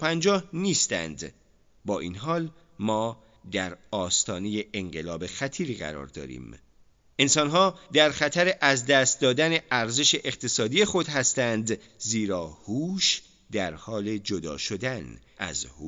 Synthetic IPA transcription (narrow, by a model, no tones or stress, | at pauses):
pʰænd͡ʒɒːhniːst̪æ̰nd̪ | bɒːʔiːnɦɒːl | mɒː | d̪æɾɒːst̪ɒːneje̞ʔeŋɢe̞lɒːbe̞xæt̪ʰiːɾiːɣæ̰ɾɒ̰ːɾd̪ɒ̰ːɾḭːm | e̞nsɒnɦɒːd̪æɾxæt̪ʰæɾeʔæzd̪æst̪̚d̪ɒːd̪æne̞ʔæɾze̞ʃeʔeqt̪ʰe̞sɒːd̪ije̞xo̞d̪hæst̪ænd̪ | ziːɾɒːhuːʃ | d̪̥æɾhɒːle̞d͡ʒod̪ɒ̰ːʃo̞d̪ænʔæ̰zhu